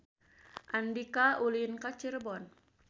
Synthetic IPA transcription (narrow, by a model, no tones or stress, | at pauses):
ʔandikaʔulinkat͡ʃirbɔn